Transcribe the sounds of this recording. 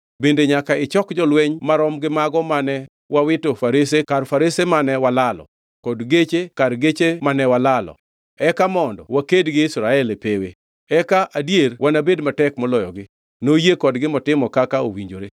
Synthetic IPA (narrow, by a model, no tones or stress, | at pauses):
bendeɲakaɪt͡ʃɔkd͡ʒɔlweɲmaɾɔmɡɪmaɡɔmanɛ | wawɪtofaɾesekarfaɾesemanɛwalalɔ̰ | kɔdɡet͡ʃekarɡet͡ʃemanɛwalalɔ̰ | ɛkamɔndɔ̰wakedɡɪɪsɾaɛlepewḛ | ɛkaʔadjerwʔanabedmatɛkmɔlɔjɔɡɪ | nojekɔdɡɪmɔtɪmɔkakao̰wiɲd͡ʒoɾe